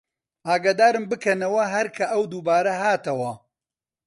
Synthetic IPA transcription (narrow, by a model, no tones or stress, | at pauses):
ʔaːɡaːd̪aːɾɨmbɨkʰɐnɐwɐɦɐɾkʰɐʔɐwd̪uːbaːɾɐɦaːt̪ɐwɐ